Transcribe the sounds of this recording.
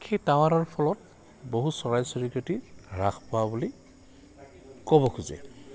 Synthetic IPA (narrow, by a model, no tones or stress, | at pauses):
xʰejtaw̃anɔɹpʰɔlɔt̚ | boɦusɔɹajsɔɹikotiɹaxʰpɔwabuli | kɔβɔkʰuzɛ̰